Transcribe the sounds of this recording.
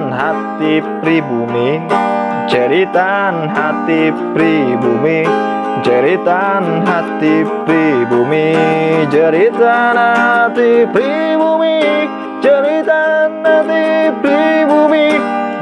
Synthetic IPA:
nɦat̪ibɾibumi | d͡ʒəɾit̪anɦat̪ibɾibumi | d͡ʒəɾit̪anɦat̪ibɾibumid͡ʒəɾit̪anaɦat̪ibɾibumi | d͡ʒəɾit̪anhat̪ibɾibumi

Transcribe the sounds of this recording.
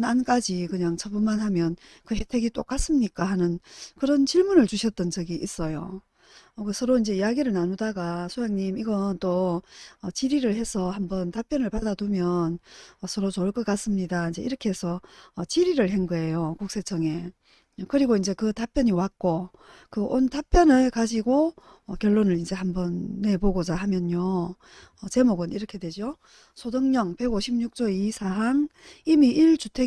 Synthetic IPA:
nank͈ad͡ʑikɯɲaŋt͡ɕʰʌbumanɦamjʌn | kɯhe̞tʰe̞ɡit͈ok͈as͈ɯmɲik͈ahanɯnkɯɾʌnt͡ɕiɭmunɯɭt͡ɕuɕʰʌt̚t͈ʌnd͡ʑʌɡiʔis͈ʌjo̰ | ʌksʰʌɾoind͡ʑe̞ijaɡiɾɯɭnanudaɡasʰojaŋɲimiɡʌnt͈oʌt͡ɕiɾiɾɯɭhe̞sʰʌhambʌntap͈jʌnɯɭpadadumjʌnʌsʰʌɾot͡ɕoɭk͈ʌk͈as͈ɯmɲidaind͡ʑe̞iɾʌkʰe̞esʰʌːt͡ɕiɾiɾɯɭheŋɡʌe̞jokuk̚s͈e̞t͡ɕʰʌŋe̞ | kɯɾiɡoind͡ʑe̞kɯtap͈jʌɲiwak̚k͈o | kɯʔontap͈jʌnɯɭkad͡ʑiɡo | ʌkjʌɭːonɯɾind͡ʑe̞hambʌnːe̞poɡod͡ʑaɦamjʌɲjo | ʌt͡ɕe̞moɡɯniɾʌkʰe̞dwe̞d͡ʑo | sʰodɯŋɲʌŋpe̞ɡoɕʰimɲuk̚t͡ɕ͈oisʰaɦaŋimiʔiɭt͡ɕutʰe

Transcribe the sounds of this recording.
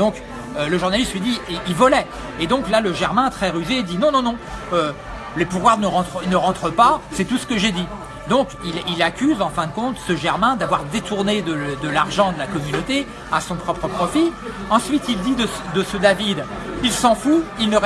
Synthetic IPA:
d̪̥ɔ̃k | øləʒuʁnalist̪lɥid̪iilvɔlɛ | ed̪ɔ̃klaləʒɛʁmɛ̃t̪χɛʁyʒed̪inɔ̃nɔ̃nɔ̃ø | lepuvwaʁnəʁɑ̃t̪χinəʁɑ̃t̪χəpasɛt̪usə̥kəʒed̪i | d̪ɔ̃kililakʲyzɑ̃fɛ̃d̪əkɔ̃t̪səʒɛʁmɛ̃d̪avwaʁd̪et̪uʁned̪əd̪əlaʁʒɑ̃d̪əlakɔmynot̪e | asɔ̃pχɔpχəpχɔfi | ɑ̃sɥit̪ild̪id̪əd̪əsəd̪avid̪ | ilsɑ̃fuilnəʁ

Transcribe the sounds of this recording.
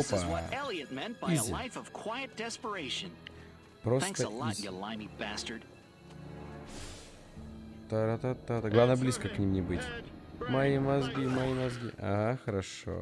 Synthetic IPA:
opəelˠiɨ̃nmɛ̃nb̥aiɪzəaɪfʌv̥kʰw̥aɪɨt̚d̥ɛspə˞eɪʃɨ̃n | pɾosθæ̃ŋksəəlijəlãɪ̃mibæstə˞d̥ | t̪aɾat̪at̪ːat̪aɡlˠavnablʲiskəknʲimnʲɪbɨtʲmɐimɐzɡʲimɐimɐzɡʲḭʔaaxəɾɐʂo̰

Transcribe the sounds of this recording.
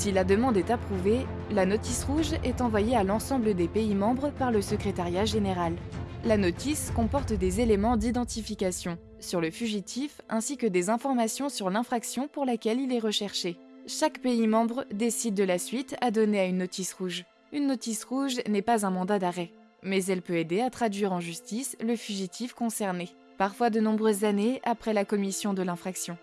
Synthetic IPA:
silad̪əmɑ̃d̪ɛt̪apχuve | lanɔt̪isʁuʒɛt̪ɑ̃vwajealɑ̃sɑ̃bləd̪epeimɑ̃bʁəpaʁləsəkχet̪aʁjaʒeneʁalːanɔt̪iskɔ̃pɔʁt̪d̪ezelemɑ̃d̪id̪ɑ̃t̪ifikʲasjɔ̃ | syʁləfyʒit̪ʰifɛ̃sikʲəd̪ezɛ̃fɔʁmasjɔ̃syʁlɛ̃fχaksjɔ̃puʁlakʲɛlilɛʁəʃɛʁʃe | ʃakpeimɑ̃bʁd̪esid̪ːəlasɥit̪ad̪ɔneaynːɔt̪isʁuʒ | ynːɔt̪isʁuʒnɛpazɛ̃mɑ̃d̪ad̪aʁɛ | mɛzɛlpøed̪eat̪χad̪ɥiʁɑ̃ʒyst̪isləfyʒit̪ʰifkɔ̃sɛʁne | paʁfwad̪ənɔ̃bʁøzːaneapχɛlakɔmisjɔ̃d̪əlɛ̃fχaksjɔ̃

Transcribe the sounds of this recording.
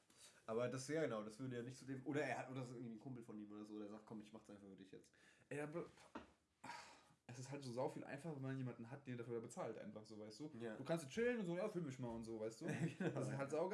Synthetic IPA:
ʔaːbɐdasjaːɡənaʊdasv̥ʏɐdəjaːnɪçtt͡sudeːmʔoːɾɐeːɐhatʔoːdɐsɪɡŋ̩viːnkʰʊmpl̩fɔniːmoːdɐzoːoːdɐeːɐzaːk̚tkʰɔmɪçmaχsʔaɪnfaχfyɐdɪçjɛ̰t͡stʔɛdab | ʔɛsɪsthaltz̥oːzaʊfiːlʔa̰ɪnfaχɐvɛnmannjeːmandn̩ɦat̚d̥eːniɐdafyɐɐdjaɐbət͡saːltʔa̰ɪnfaχz̥oːvaɪstd̥uːduːkʰanstjɛt͡ʃɪlənʊntz̥oːjaːfyːlmɪçmaːlʊntz̥oːvaɪstd̥u̥ːdasɪshaltz̥aʊɡ

